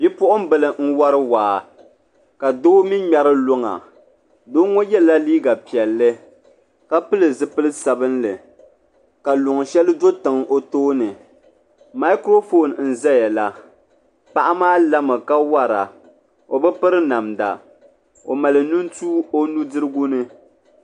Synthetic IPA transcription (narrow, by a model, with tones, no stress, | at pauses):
bi˦pʊ˦ʔʊ˦m˦bɨ˨lɨ˨n̩˦wa˦ɾɨ˦waː˨ | ka˨doː˦mi˦ɲa˦ɾɨ˦lo˦ŋa̰˨ | doː˦ŋo˦jɛ˦la˦liː˦ɡa˨pi˨ɛ˨lːɨ˦ | ka˦pɨ˦lɨ˨zɨ˦pɨ˦lɨ˦sa˨bɨ˦nlɨ˨ | ka˨lʊ˨ŋ˨ʃɛ˦lɨ˦do˦tɨ˨ŋo˦toː˦nɨ˨ | ma˦i˦kɾo˦fo˦˨nn̩˨zɛ˦ja˨la˦ | pa˨ʔa˦maː˦la˦mɨ˨ka˦wa˦ɾa̰˨ | o˨bɛ˦pɨ˦ɾɨ˦na˨mda̰˨ | o˨ma˨lɨ˨nu˦n˦tuː˦o˦nu˦dɨ˦ɾɨ˦ɡu˦nɨ˦